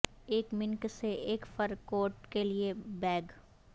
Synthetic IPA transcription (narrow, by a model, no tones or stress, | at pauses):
eːkmɪ̃ŋkseeːkfɐɾkoːʈkeliebɛːɡ